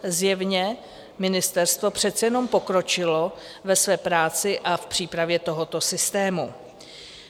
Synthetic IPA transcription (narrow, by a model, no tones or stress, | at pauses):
zjɛvɲɛ | mɪnɪst̪ɛɾst̪vo̞pr̝̥ɛt̪t͡sɛjɛno̞mpo̞kɾo̞t͡ʃɪlo̞ | vɛsvɛːpɾaːt͡sɪʔafpr̝̥iːpɾavjɛt̪o̞ɦo̞t̪o̞sɪst̪ɛːmu